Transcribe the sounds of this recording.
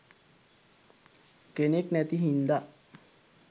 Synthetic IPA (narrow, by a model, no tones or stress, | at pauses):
keneknæt̪iɦind̪a